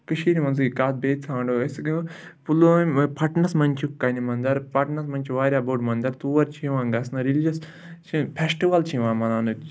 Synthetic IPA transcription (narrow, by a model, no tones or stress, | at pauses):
kɨʃiːɾimɐnzɨkaːt̪̚beːt͡sʰãːɳɖoɐsɡpuloːpʰɐʈnɐsmɐnʲt͡ʃʰukɐnimɐnd̪ɐɾpɐʈnɐsmɐnʲt͡ʃʰiʋaːɾʲjaːboʈmɐnd̪ɐɾt̪uːʋɐɾt͡ʃʰiʋãːŋɡɐsnɐɾild͡ʒɐs | t͡ʃʰipʰʲesʈiʋɐlt͡ʃʰĩʋãːnmɐnaːnɨ